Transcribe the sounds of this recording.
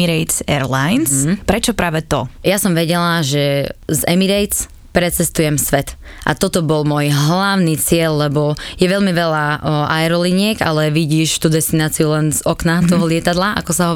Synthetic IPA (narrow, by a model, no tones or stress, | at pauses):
iɾɛjt̪sɛɾlajns̩pɾɛt͡ʃɔpɾaːʋɛt̪ɔ̰jasɔmʋɛɟɛlaʒɛzɛmiɾɛjt̪t͡s | pɾɛt͡sɛst̪ujɛmsʋɛt̪ | ʔa̰t̪ɔt̪ɔbɔlmʊɔjɦlaʊnit͡sɪɛʎlɛbɔjɛʋɛlmiʋɛlaʔaɛɾɔliɲɪɛɡa̰lɛʋiɟiːʃt̪ud̪ɛst̪inaːt͡siulɛnzɔknat̪ɔɦɔlɪɛt̪ad̪laʔa̰kɔsaɦɔ